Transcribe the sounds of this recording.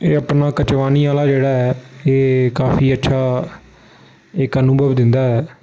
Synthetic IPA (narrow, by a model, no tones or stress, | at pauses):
eːəpnaːkət͡ʃʋaːniːaːlaːd͡ʒeːɽaːɛːeːkaːfʰiːətːʃʰaː | ɪkənʊbəʋd̪ɪnd̪aːɦɛː